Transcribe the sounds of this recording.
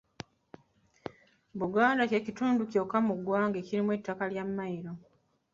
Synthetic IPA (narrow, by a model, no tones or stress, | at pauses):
buɡaːndacecituːnduco̞kːamuɡwaːŋɡeciɾimwe̞tːakaljamːajiɾo̞